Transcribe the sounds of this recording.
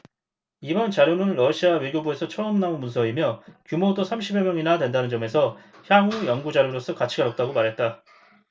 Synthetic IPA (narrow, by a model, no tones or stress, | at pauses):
ibʌnt͡ɕaɾjonɯnɾʌɕʰiawe̞ɡjobue̞sʰʌt͡ɕʰʌʌmnaonmunsʰʌimjʌkjumodosʰamɕʰibjemjʌŋinadwe̞ndanɯnd͡ʑʌme̞sʰʌ | çjaŋujʌŋɡud͡ʑaɾjoɾos͈ʰʌkat͡ɕʰiɡaɾʌk̚t͈aɡomaɾɦe̞t̚t͈a